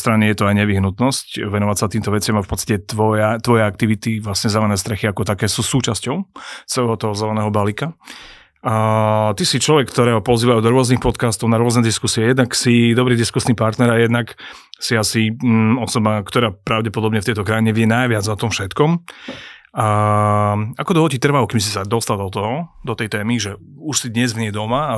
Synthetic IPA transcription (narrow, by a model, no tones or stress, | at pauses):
st̪ɾaɲɛjɛt̪ɔajɲɛʋiɦnut̪nɔscʋɛnɔʋacsat̪iːmt̪ɔʋɛt͡sɪamafpɔtt͡sst̪acɛt̪ʋɔjat̪ʋɔjɛak̚t̪iʋit̪iʋlasɲɛzɛlɛnɛːst̪ɾɛxiakɔt̪akɛːsuːsuːt͡ʃascɔʊt͡sɛlɛɦɔt̪ɔɦɔzɛlɛnɛːɦɔbalika | t̪isit͡ʃlɔʋɛkːt̪ɔɾɛːɦɔpɔziːʋajud̪ɔɾʊɔznixpɔt̪kaːst̪ɔʊnaɾʊɔznɛd̪iskusiɛjɛd̪naksid̪ɔbɾiːd̪iskusnipaɾt̪nɛɾajɛd̪nak | siasiɔsɔbakt̪ɔɾaːpɾaʊɟɛpɔd̪ɔbɲɛft̪ɛjt̪ɔkɾajiɲɛʋɪɛnajʋɪad͡zɔt̪ɔmfʃɛt̪kɔm | akɔd̪ɔɦɔcit̪r̩ʋaukims̬isad̪ɔst̪alˠd̪ɔt̪ɔɦɔd̪ɔt̪ɛjt̪ɛːmiʒɛ | uʃsid̪ɲɛzmɲɛd̪ɔmaː